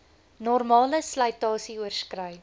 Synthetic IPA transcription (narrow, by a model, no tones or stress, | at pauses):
nɔrmɑːləslɐjtɑːsiuərskrœj